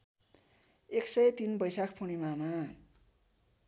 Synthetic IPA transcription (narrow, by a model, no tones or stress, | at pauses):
eksʌjt̪inbʌjsakʰpʰuɽ̃imama